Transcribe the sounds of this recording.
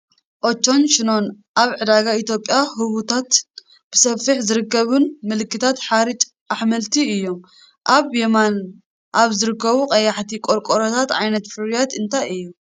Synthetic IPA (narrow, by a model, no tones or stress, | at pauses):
ʔot͡ʃːo̞nʃɪno̞n | ʔaβʕɨd̪aɡait̪jo̞pʼjahɨβut̪ʰat̪ | b̥ɨsɐfːɨħzɨɾɨkːɐβunmɨlɨkːɨt̪ʰat̪ħaɾɨt͡ʃʼ | ʔaħmɐlt̪ʰiɨjːo̞m | ʔaβjeman | ʔaβzɨɾɨkːɐβuqʼɐjːaħt̪ʰikʼoɾkʼoɾot̪ʰat̪ʕajnɐt̪fɨɾjat̪ɨnt̪ʰajɨjːu